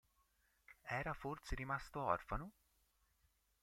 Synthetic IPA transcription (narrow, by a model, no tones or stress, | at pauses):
ɛːɾafort̪seɾimast̪oɔrfano